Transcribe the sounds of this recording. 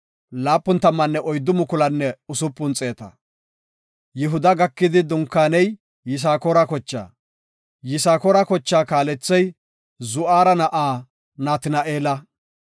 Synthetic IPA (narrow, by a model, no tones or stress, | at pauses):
laːpːʊnt̪ɐmːɐnːɛʔɔjd̪ːʊmʊkʊlɐnːɛʊsʊpːʊnt͡sʼe̞ːt̪ɐ̰ | jɪɦʊd̪ɐɡɐkːɪd̪ɪd̪ʊŋkːaːnɛj | jɪs̬aːkɔɾakɔt͡ʃːa̰ː | jɪsaːkɔɾakɔt͡ʃːaːkaːlɛt͡sːɛj | zʊʔaːɾɐnɐʔaː | naːt̪ɪnɐʔeːlɐ